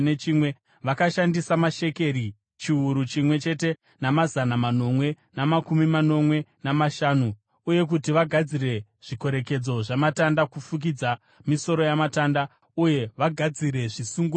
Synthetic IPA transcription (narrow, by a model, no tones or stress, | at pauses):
net͡ʃimwe̞ | ʋakaʃandisamaʃe̞ke̞ɾi | t͡ʃiuɾut͡ʃimwe̞t͡ʃe̞te̞ | namazanamano̞mwe̞ | namakumimano̞mwe̞namaʃaːnuː | je̞k̬utiʋaɡʱad͡zire̞ | ʐ̥iko̞ɾe̞ke̞d͡zo̞ʐamatandakufuk̬id͡za | miso̞ɾo̞jamatanda | uje̞ʋaɡʱad͡ziɾe̞ʐisuŋɡu